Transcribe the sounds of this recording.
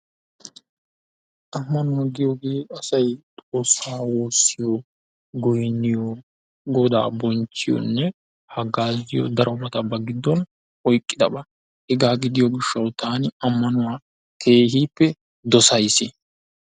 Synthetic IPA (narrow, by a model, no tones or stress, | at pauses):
ʔɐmːɐnʊwaɡɪjoɡe̞ːɐsɐjt̪ʼo̞ːsːaːwoːsːɪjɔ | ɡɔjnːɪjɔ | ɡɔd̪a̰ːbɔnt͡ʃːɪjɔ̰nːɛ | hɐɡaːzɪjɔ̰d̪ɐɾʔɔmɐt̪ɐbɐɡɪd̪ːɔn | ɔjkʼːɪd̪ɐbɐ | hɛɡaːɡɪd̪ɪjɔɡɪʃːɐwt̪ʰaːnɪɐmːɐnʊwaː | kʰe̞ːhiːpːɛ | d̪ɔsɐjsɪ